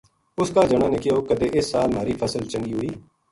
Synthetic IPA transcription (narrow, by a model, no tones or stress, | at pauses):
ʊskaːd͡ʒəɽaːneːkɪjoːkəd̪eːʔɪsːaːlmaːɾiːpʰəsəlt͡ʃə̃ŋɡiːɦʊiː